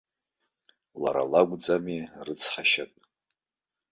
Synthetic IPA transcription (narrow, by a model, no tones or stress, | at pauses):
la̰ɾa̰laɡʷd͡zʼamirɨt͡sʰħaʃapʼ